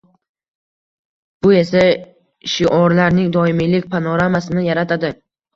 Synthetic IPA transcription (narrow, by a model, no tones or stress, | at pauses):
b̥ʊe̞sa | ʃɪʔɒɾlaɾnɪŋd̪ɒɪmilɪkʲpʰanɒɾamasɪnɪjaɾat̪ʰad̪ɪ